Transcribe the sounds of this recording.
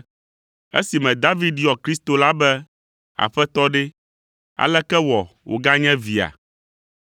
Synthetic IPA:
ḛ˦si˨mɛ̃˨d̪a˦vi˦d̪i˦ɔ˨kɾi˦st̪o˨la˦bɛ˦ | a̰˨ɸɛ˦t̪ɔ˦ɖe˦ | a̰˨lɛ˦kɛ˦wɔ˨wʔo̰˨ɡa˦ɲɛ̃˦vi˨a̰˨

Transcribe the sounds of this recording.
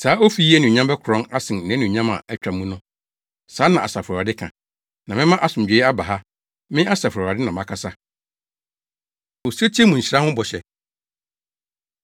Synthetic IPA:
saː˨˦o˦fi˦i˦æ˦nũ˨ɲã˦mbɛ˦kʰʊ˨ɾɔ̃˦ŋa˦sɪ̃˨nnɪ̃˨˦nũ˨ɲã˦mã̰˨ɛ˦t͡ɕᶣa˨mũ˦nʊ̃˦ | saː˨˦nã˨a˨sa˨fa˨dɪ˦kʰã̰˨ | nã˨mɪ̃˦mã˦ʔa˦sʊ̃˨m˨d͡ʑᶣe˨˦a˦ba˨ɦa˦ | mɪ̃˦a˦sa˨fɔ˨a˨dɪ˦nã˨mã˨kʰa˨sa˦ | o˨sa˦tʰi˦ɛ˦mũ˨ɲ̩˨ɕa˦hʊ̃˦bɔ˨ɕɛ˨

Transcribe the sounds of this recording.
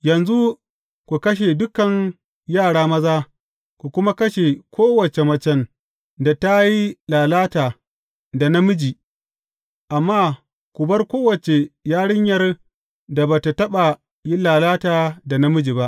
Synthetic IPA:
jɐ˨nzu˦ | kʷu˨kɐ˦ʃ̬e˨dʊ˦kɐ˨ɲ | jaː˦˨ɽaː˦mɐ˦zaː˦ | ku˨kʷʊ˦ma˦kɐ˦ʃe˨kʷoː˦wɐ˨t͡ʃe˨mɐ˨t͡ʃɛ˦n | da˨ta˦ji˦laː˨laː˦taː˨ | da˨nɐ˦mʊ˦d͡ʒi˨ | ʔa˨mːaː˦˨ | kʷu˨bɐ˦rkʷoː˦wɐ˨t͡ʃe˨jaː˦ɽɪ˦ɲjɐ˦r | da˨baː˨ta˨tɐ˦ɓa˨ | ji˦laː˨laː˦taː˨da˨nɐ˦mʊ˦d͡ʒiː˨ba˦ʔ

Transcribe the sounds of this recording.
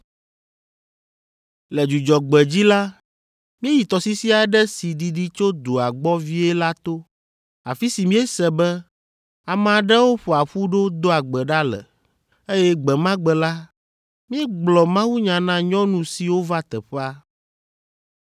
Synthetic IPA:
lɛ˨d͡ʒu˨d͡ʒɔ˨ɡ͡bɛ˨d͡ʑi˦la˦ | mĩ˦e˦ji˨t̪ɔ˨si˦si˦a˨˦ɖɛ˦si˨ɖi˨ɖi˦t͡ʃo˦d̪o˨a˨ɡ͡bɔ˦vi˦ɛ˦la˦t̪o˦ | a˨fi˦si˨mĩ˦ɛ˦sɛ˨bɛ˦ | a˨mɛ̃˨a˨ɖɛ˦wo˦ɸɛ˨a˨ɸu˦ɖo˦d̪o˦a˨ɡ͡bɛ˨ɖa˦lɛ̰˨ | e˦jɛ˦ɡ͡bɛ˨mã˦ɡ͡bɛ˨la˦ | mĩ˦ɛ˦ɡ͡blɔ˨mã˦wu˦ɲã˨nã˦ɲɔ̃˦nũ˨si˨wo˦va˦t̪ɛ˨ɸɛ˦a˦

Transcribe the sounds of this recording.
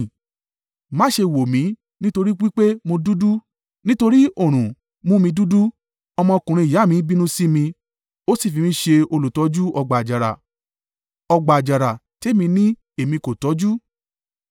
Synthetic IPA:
mã˨˦ʃe˧wo˨mĩ˨˦ | nĩ˦to˧ɾi˦k͡pi˦k͡pe˦mo˧du˦du˦ | nĩ˦to˧ɾi˦o˦˨ɾ̃ũ˨ | mũ˦mĩ˧du˦du˦ | ɔ˧mɔ̃˧kũ˨ɾ̃ĩ˧˨ja˨˦˨mĩ˧˦bi˦nũ˦si˦mĩ˧ | o˦si˦˨fi˨˧mĩ˧˦ʃe˧o˧lo˨tɔ˨˦d͡ʒu˦ɔ˧ɡ͡ba˨d͡ʒa˨ɾa̰˨ | ɔ˧ɡ͡ba˨d͡ʒa˨ɾa˨te˦mĩ˧nĩ˦ | e˨mĩ˧ko˨tɔ˨˦d͡ʒu˦

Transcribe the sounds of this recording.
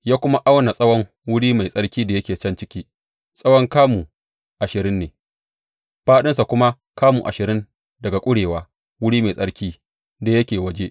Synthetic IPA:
jaː˦kʷʊ˦ma˦ʔa˦wna˨sʼɐ˦wɔ˦ŋ | wʊ˦ɽiː˦ma˨jsʼɐ˦ɽkʲiː˦da˨jɐ˦kʲeː˨t͡ʃɐ˦nt͡ʃɪ˦kʲiː˦ | sʼɐ˦wɔ˦ŋkaː˦muː˨ | ʔa˨ʃɪ˨ɾɪ˦nːeː˨ | ɸaː˦ɗɪ˦nsa˨kʷʊ˦ma˦ | kaː˦muː˨ʔa˨ʃɪ˨ɾɪ˦n | dɐ˨ɡa˨kʷʼʊ˦ɽeː˨waː˦ | wʊ˦ɽiː˦ma˨sʼɐ˦ɽkʲiː˦ | da˨jɐ˦kʲeː˨wɐ˦d͡ʒe˦ʔ

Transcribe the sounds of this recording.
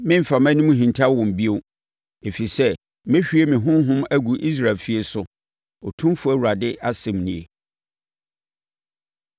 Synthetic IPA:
mɪ̃˦m̩˨fa˨mæ̃˦nʊ̃˦mũ˦ɦĩ˨ntʰa˦wɔ̃˨m˨bi˦o˦ | e˨fi˨sɛ˦ | mɪ̃˦ɕᶣi˦e˦mĩ˨ɦʊ̃˦ɦʊ̃˦mæ˦ɡu˨ʔi˦s̬ɾa˨lfi˦e˦sʊ˦ | ɔ˨tʰũ˦fʊ˦æ˨wu˨ɾa˨dɪ˦ʔa˦sɛ̃˨mnĩ˨e˨

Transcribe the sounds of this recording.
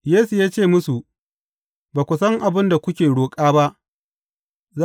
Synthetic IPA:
jeː˦su˨jaː˦t͡ʃeː˦˨mʊ˦su˨ | baː˨kʷʊ˨sɐ˦ŋʔa˨bɪ˦nda˨kʷʊ˦kʲeː˨ɽoː˨kʼaː˦ba˦ʔ | za˦

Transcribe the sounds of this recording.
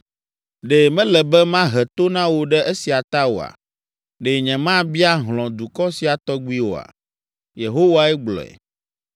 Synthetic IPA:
ɖe˨mɛ̃˦lɛ˨bɛ˦mã˦ɦɛ˨t̪o˦nã˦wo˨ɖɛ˦ʔe˦si˨a˨t̪a˦wo̰˨a̰˨ | ɖe˨ɲɛ̃˨mã˦bi˦a˦ɦlɔ̃˨d̪u˨kɔ˦si˨a˨t̪ɔ˦ɡ͡bu˦i˦wo̰˨a̰˨ | je˨ɦo˦wa˦ɛ˦ɡ͡blɔ̰̃˨ɛ̰˨

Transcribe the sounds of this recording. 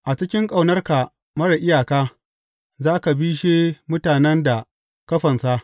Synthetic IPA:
ʔa˨t͡ʃɪ˦kʲɪ˦ŋkʼa˨wnɐ˦rka˨ | mɐ˦ɽa˨ʔɪ˦jaː˨kaː˦ | zaː˦ka˨biː˦ʃ̬eː˦mʊ˦taː˨nɛ˦nda˨ | kɐ˦ɸɐ˨nsa˦ʔ

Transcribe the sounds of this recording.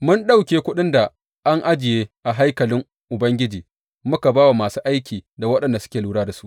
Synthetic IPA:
mʊ˦nɗa˦wkʲeː˨kʷʊ˦ɗɪ˦nda˨ | ʔa˦ŋʔa˦d͡ʒɪ˨jeː˦ʔa˨ɦa˦jkɐ˨lɪ˦ŋ | ʔʊ˨bɐ˦ŋɡʲɪ˦d͡ʒiː˨ | mʊ˦ka˨baː˦wa˨maː˨suː˦ʔa˦jkʲiː˨da˨wɐ˦ɗɐ˨nda˨sʊ̥˦kʲeː˨luː˦ɽaː˦da˨su̥˦ʔ

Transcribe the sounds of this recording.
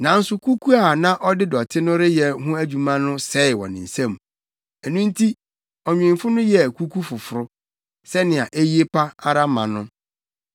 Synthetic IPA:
nã˨n̩˦sʊ˦kʰu˦kʰu˦a˨nã˦ʔɔ˦dɪ˦dɔ˨tʰɪ˦nʊ̃˦ɾɪ˦jɛ˨ɦʊ̃˦æ˦d͡ʑu˨mã˦nʊ̃˦sɛ˦ɪ˨wɔ̰̃˨nɪ̰̃˨n̩˨sã˦˨m˨ | ɛ˨nũ˦n̩˦tʰi˦ | ɔ˨ɲᶣɪ̃˨m˨fʊ˦nʊ̃˦jɛ˨kʰu˦kʰu˦fʊ˨fʊ˨ɾʊ˦ | sɛ˦nɪ̃˨a˨ʔe˦ji˦e˦pʰa˦a˦ɾa˦mã̰˨nʊ̃˦

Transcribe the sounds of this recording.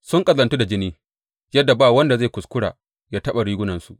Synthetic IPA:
sʊ˦ŋkʼɐ˨lɐ˨ntu˦da˨d͡ʒɪ˦niː˦ | jɐ˦dːa˨baː˦˨wɐ˦nda˨zeː˦˨kʷʊ˨skʷʊ˦ɽa̰ː˨ | jaː˦tɐ˦ɓa˨ɽiː˦ɡʷʊ˦nɐ˨nsu˨ʔ

